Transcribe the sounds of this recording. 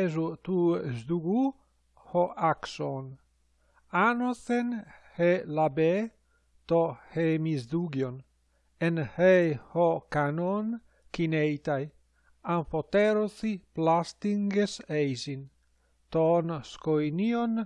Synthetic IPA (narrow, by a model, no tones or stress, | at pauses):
ezut̪uzd̪uɡu | hoʔakson | anoθenhelabe | t̪ohemizd̪uɡjon | enhejhokanon | kinejt̪aj | aɱfot̪eɾoθiplast̪iŋɡesejzin | t̪onskojnion